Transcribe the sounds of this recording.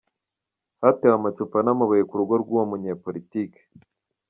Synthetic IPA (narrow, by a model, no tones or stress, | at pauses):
hatewamat͡ʃupanamaβajekuɾuɡoɾɡuwomuɲeɾpoɾitiːke̥